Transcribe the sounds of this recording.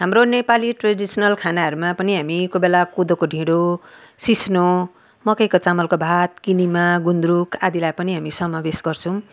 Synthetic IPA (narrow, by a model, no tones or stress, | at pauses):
ɦamronepaliʈraɖisʌnʌlkʰanaɦʌɾumapʌniɦamikobelakud̪okoɖʱĩɽo | sisno | mʌkʌjkot͡samʌlkobʱat̪̚kinimaɡund̪ɾukʰad̪ilajpʌniɦamisʌmabesɡʌrt͡sʰʌ̃w̃